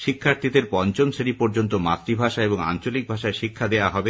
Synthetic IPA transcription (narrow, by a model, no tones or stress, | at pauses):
ʃikʰːaɾt̪ʰid̪eɾpɔnt͡ɕomseɾipoɾd͡ʑont̪oma̰t̪ːɾibʱaʃaeboŋa̰nt͡ɕolik̚bʱaʃaeɾʃikʰːad̪eaɦɔbe